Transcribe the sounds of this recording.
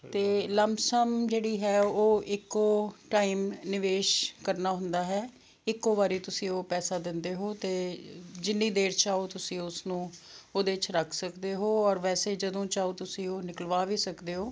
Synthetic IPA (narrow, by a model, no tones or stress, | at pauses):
t̪eːləmsəmd͡ʒeːɽiːɦɛːoːʔɪkːoːʈaːiːmnɪʋeːʃkəɾnaːɦʊnd̪aːɦɛː | ɪkːoːʋaːɾiːt̪ʊsĩːoːpɛːsaːd̪ɪnd̪eːɦoːt̪eːd͡ʒɪnːĩːd̪eːɾt͡ʃaːoːt̪ʊsĩːʊsnũːoːd̪eːt͡ʃɾəkʰsəkd̪eːɦoːɔːɾʋɛːseːd͡ʒəd̪õːt͡ʃaːoːt̪ʊsĩːoːnɪkəlʋaːʋiːsəkd̪eːɦoː